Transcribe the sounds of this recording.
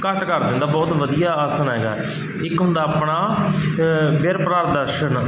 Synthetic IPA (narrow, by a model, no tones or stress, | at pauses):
kəʈkəɾd̪ɪ̃nd̪aːbɔːt̪ʋəd̪ijaːaːsaːnɦɛːɡa̰ːɛ | ɪkɦʊ̃nd̪aːapɳaː | beɾpɾaːɾd̪əɾʃən